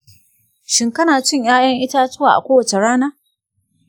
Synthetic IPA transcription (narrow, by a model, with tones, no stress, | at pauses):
ʃɪ˨ŋkɐ˦naː˨t͡ʃɪ˦ɲjaː˦jɐ˦ŋʔɪ˦taː˦tʊ˦waː˨ʔa̰˨kʷoː˦wɐ˨t͡ʃe˨ɽaː˦naː˦